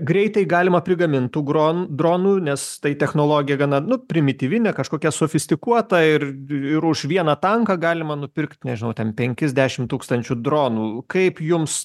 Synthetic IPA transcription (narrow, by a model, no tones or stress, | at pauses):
ɡɾʲɛɪt̪ɐɪɡɑːlʲɪmɐpʲɾʲɪɡɐmʲɪnt̪t̪uːɡɾoːnd̪ɾoːnuːnʲɛst̪ɐɪt̪ʲɛxnoːlˠoːɡʲɪjɛɡɐnɐnʊpʲɾʲɪmʲɪt̪ʲiːʋʲɪnʲɛkɐʃkoːkʲɛsoːfʲɪsʲt̪ʲɪkuɔt̪ɐɪrɪɾʊʃʋʲiɛnɐt̪ɐŋkɐɡɑːlʲɪmɐnʊpʲɪɾkt̪ʲnʲɛʒʲɪnɐʊt̪ʲɛnpʲɛŋʲkʲɪzʲd̪ʲæːʃʲɪmt̪uːkst̪ɐnʲt͡ʃʲud̪ɾoːnuːkɐɪpjʊms